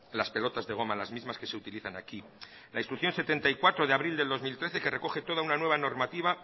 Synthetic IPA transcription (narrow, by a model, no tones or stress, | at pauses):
laspe̞lo̞t̪azðe̞ɣ̞o̞malazmizmaske̞se̞ut̪iliθanaki | lʔaist̪ɾukθjo̞nse̞t̪e̞nt̪aikwat̪ɾo̞ðeaβɾild̪e̞ld̪o̞zmilt̪ɾe̞θe̞ke̞re̞ko̞xe̞t̪o̞ð̞aunanwe̞β̞ano̞ɾmat̪iβ̞a